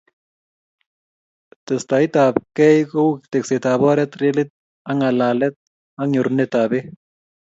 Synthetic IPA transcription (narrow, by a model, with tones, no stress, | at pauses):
t̪ɨ˨st̪a˨i˦t̪a˨p̚kɛ˦jko˦wkt̪e˨kse˨t̪aβɔ˦ɾɛt̪ɾe˦lit̪̚ | a˦ŋa˨laː˨lɛt̪̚ | a˦ŋo˨ɾnet̪a˨be˦